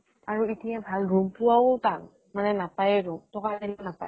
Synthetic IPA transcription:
aɹuitiabʱalɹumpʊwawtak | manɛnapajɛɹumtɔkadilɔnapa̰j

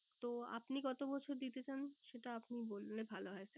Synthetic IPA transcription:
t̪oa̰pniɡɔt̪obɔt͡ɕʰoɾd̪it̪et͡ɕanʃeʈaapnibolnebʱaloɦɔet͡ɕʰe

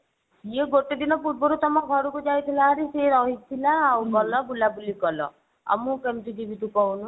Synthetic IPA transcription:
sieɡoʈed̪inɔpuɾ̚bɔɾut̪ɔmɔɡʱɔɾukud͡ʒajt̪ʰilaɦaɾiseɾɔɦit̪ʰilaːwbɔlɔbulabulikɔlɔ̰ | ɔ̰mũkemt̪udibʱit̪ukɔunũ

